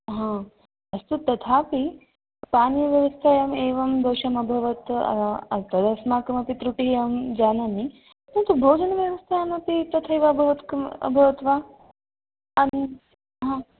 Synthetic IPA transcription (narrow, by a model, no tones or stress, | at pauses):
ɦãː | ɐst̪ut̪ːɐt̪ʰaːpi | paːnjɐʋjɐʋɐst̪ʰajɐmeːʋɐmd̪oːʃɐmɐbʱɐʋɐt̪ɐ̰ɐt̪ɐd̪ʱɐsmaːkɐmɐpit̪ɾuʈijɐmd͡ʒaːnɐmi | t̪ɾɐnt̪ubʱoːd͡ʒɐnɐʋjɐʋɐst̪ʰajamɐpit̪ɐt̪ʰɐjʋabʱɐʋɐt̪kɐ̰bʱɐʋɐt̪ʋaː | ɐn | ɦãː